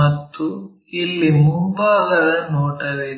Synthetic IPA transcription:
ɐt̪ːu | ilːimumbaːɣɐd̪ɐnoːʈɐʋe

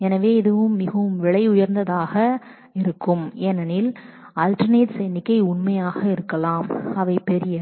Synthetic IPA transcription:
ɛnɐʋeːɪðɯʋɯmːɪɣɐʋɯmʋɪɭɐɪʊjɐɾnd̪ɐðaːɣɐ | ɪɾɯkːɯmɛnɐnɪl | aːlʈɐɾneːʈsɛjnɪkːɐɪʊɳmɐjaːɣɐɪɾɯkːɐlaːmɐʋɐɪpɛɾɪjɐ

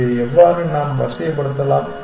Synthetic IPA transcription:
ɛʋːaːɾɯnaːmʋɐ̰sɐjɐpːɐɽɯɾnd̪ɐlãː

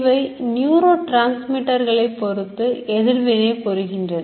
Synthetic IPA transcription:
ʋɐɪnjuːɾoːʈɾaːnsmɪʈːɐɾɣɐɭɐɪpːɔɾɯt̪ːɯɛðɪɾʋɪneːpɔɾɯɣɪndrɐn

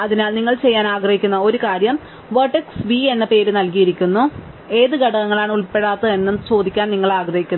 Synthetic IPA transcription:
ɐðinaːlniŋːɐɭt͡ɕe̞jːaːnaːɡrɐhikʲːunːɐo̞ɾukaːɾjɐm | ʋɐʈːeksʋie̞nːɐpe̞ːɾɨnɐlkijiɾikʲːunːu | e̞ːðɨɡʱɐɽɐnɐŋːɐɭaːɳuɭpe̞ɽaːt̪ːɐe̞nːumt͡ɕo̞ːd̪ʱikʲːaːnniŋːɐɭaːɡrɐhikʲːunː

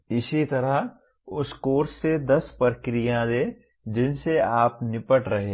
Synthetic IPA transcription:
ɪsit̪ɐɾəɦ | ʊskoːɾsːed̪ɐspɾkɾijãd̪eː | d͡ʒɪnseaːpnɪpəʈɾɐɦẽː

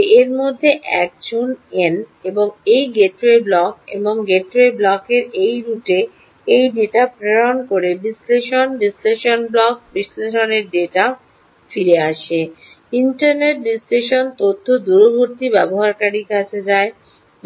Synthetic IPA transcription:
eɾmod̪ʱːeʔɛ̰k̚d͡ʑuneneboŋejɡeʈɾeblɔkḛboŋɡeʈɾeblɔkeɾejɾuʈe | ejɖeʈapɾeɾonkoɾebisleʃonɖisleʃonblɔk̚bisleʃoneɾɖeʈa | fiɾeaʃe | inʈaɾneʈ̚ɖisleʃont̪ot̪ʰːod̪uɾobʱoɾt̪ibɛboɦaɾkaɾikat͡ɕʰed͡ʑae | b

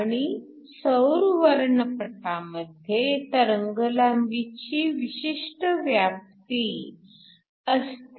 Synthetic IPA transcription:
aɽ̃i | səwɾʋəɾɳəpəʈaməd̪ʱjet̪əɾəŋɡəlamɡit͡ɕiːʋiɕiʂʈəʋjap̚t̪i | əst̪

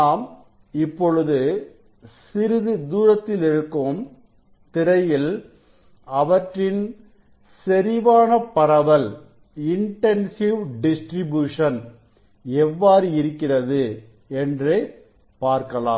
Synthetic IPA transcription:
naːm | ɪpːɔɻɯðɯ | sɪɾɪðɯd̪uːɾɐt̪ːɪlɪɾɯkːɯm | t̪ɪɾɐjɪl | ɐʋɐʈrɪn | sɛɾɪʋaːnɐpɐɾɐʋɐl | ɪɳʈɛnsɪʋɖɪsʈɾɪbjuːʂɐn | ɛʋːaːɾɯɪɾɯkːɪrɐðɯ | ɛndreː | paːɾkɐla̰ːm

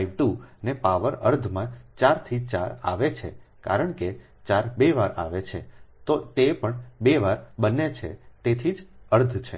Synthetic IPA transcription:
iʋʈunepaʋəɾəɾd̪ʱmãt͡ʃaɾt̪ʰit͡ʃa̰ɾa̰ʋet͡ʃʰḛka̰ɾəɳke | t͡ʃaɾbeʋaɾa̰ʋet͡ʃʰḛt̪ot̪epəɳbeʋaɾbənːet͡ʃʰḛt̪et̪ʰid͡ʒəɾd̪ʱt͡ʃʰḛ

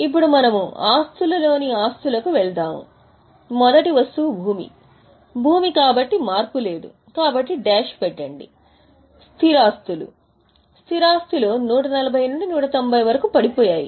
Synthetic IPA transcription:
ip̬ːuɽumɐnɐmuaːst̪ulɐlo̞ːniaːst̪ulɐkuʋɛɭt̪aːmṵ | mɔd̪ɐʈiʋɐst̪ubʱuːmḭ | bʱuːmikaːbɐʈːimaːɾpule̞ːd̪ṵ | kaːbɐʈːiɖɛːʃpɛʈːɐɳɖḭ | st̪ʰiɾaːst̪ulṵ | st̪ʰiɾaːst̪ulo̞ːnuːʈɐnɐlɐbʱɐjnuɳɖinuːʈɐt̪ombʱɐjʋɐɾɐkupɐɽipɔːjaːjḭ

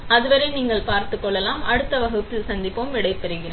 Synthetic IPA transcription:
ɐðɯʋɐɾɐɪniːŋɡɐɭpaːɾt̪ɯkːɔɭːɛlaːmɐɽɯt̪ːɐʋɐɣɯt̪ːɪlsɐnd̪ɪpːoːmʋɪɽɐɪp̪ːɛɾɯɣɪɾeː

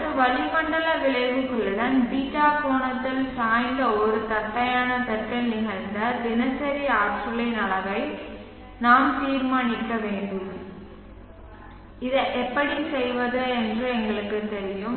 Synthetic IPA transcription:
ɐɯʋɐɭɪpɐɳɖɐlɐʋɪɭɐɪʋɯkːɯɭːɯɽɐnbiːʈːaːkoːɳɐt̪ːɪlsaːjnd̪ɐɔɾɯt̪ɐt̪ːɐjaːnɐt̪ɛkːɐnɪɣɐɾnd̪ɐd̪ɪnɐsɐɾiaːʈsɯlɐɪnɐɭɐɣɐɪ | naːmt̪iːɾmaːnɪkːɐʋeːɳɖɯm | ɪðɐʔɛpːɐɽinsɛjʋɐðɯɛndrɯɛŋɡɐɭɯkːɯt̪ɛɾɪjɯm

